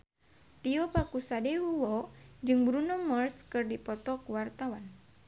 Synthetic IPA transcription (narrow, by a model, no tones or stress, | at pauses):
t̪iɔpakusadewuwɔd͡ʒɨŋbɾunɔmərskɨrdipɔt̪ɔkuwart̪awan